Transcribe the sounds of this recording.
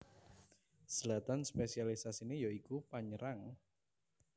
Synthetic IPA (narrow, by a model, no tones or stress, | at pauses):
səlat̪anspesialisasinejoikupaɲəɾaŋ